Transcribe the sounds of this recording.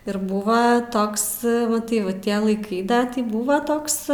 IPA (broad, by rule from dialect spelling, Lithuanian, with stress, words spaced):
ɪr ˈbuːʋɐ ˈtoːks ˈʋɐ tɐɪ ˈʋɐ ˈtʲiɛ lˠɐɪˈkɐɪ ˈdɐ ˈtʲiː ˈbuːʋɐ ˈtoːks